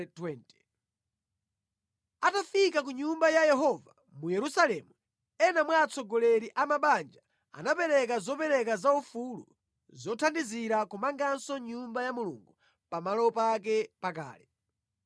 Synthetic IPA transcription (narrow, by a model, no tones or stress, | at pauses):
twɛntɛ | atafikak̬uɲumbajajɛɦɔva | mujɛɾusalɛmu | ɛnamwaːt͡sʰɔɡɔlɛɾiʔamaɓand͡ʒa | a̰napɛɾɛk̬azɔpɛɾɛkazaufulṵ | zɔtʰandiziɾakumaŋɡansɔɲumbajamulṵŋɡu | pamalɔpak̬ɛpaka̰ːlɛ